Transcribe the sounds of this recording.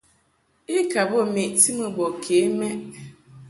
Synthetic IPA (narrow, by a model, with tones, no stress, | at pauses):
i˦ka˨bo˦˨me˨ʔti˦mə˦bɔ˨kʰeː˨˦mɛ˦ʔ